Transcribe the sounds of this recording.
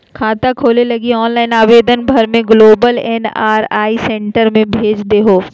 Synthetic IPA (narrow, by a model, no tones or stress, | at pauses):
kʰaːt̪akʰoːlelɐɡiɔːnlaːɪnaːʋeːd̪ənbʱɐɾmẽɡloːbəlɛnaːɾaːisɛ̃ɳʈəɾmẽbʱeːd͡ʒd̪eɦoː